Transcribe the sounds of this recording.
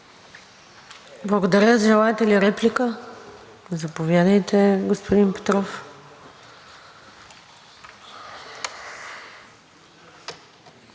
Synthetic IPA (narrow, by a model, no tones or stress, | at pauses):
blˠɐɡod̪ɐɾʲəzʒɛlˠaɛt̪ɛliɾɛplikə | zɐpovʲjad̪əjt̪ɛɡospod̪inpɛ̥t̪ɾɔf